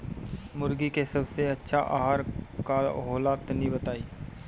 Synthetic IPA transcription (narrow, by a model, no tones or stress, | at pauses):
mʊɾɡikesɐbseɐtːʃʰaʔa̰ːɦaːɾkaːlɦoːlaːt̪nĩbət̪aːiː